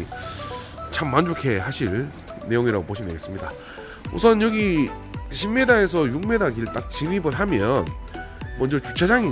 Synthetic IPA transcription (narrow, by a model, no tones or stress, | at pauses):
t͡ɕʰamːand͡ʑokʰe̞ɦaɕʰiɭ | ne̞joŋiɾa̰ɡopoɕʰineɡe̞s͈ɯmɲida̰ | ṵsʰʌnjʌɡi | ɕʰimme̞dae̞sʰʌjuŋme̞daɡiɭt͈ak̚t͡ɕimibɯɭɦamjʌnmʌnd͡ʑʌt͡ɕut͡ɕʰad͡ʑaŋi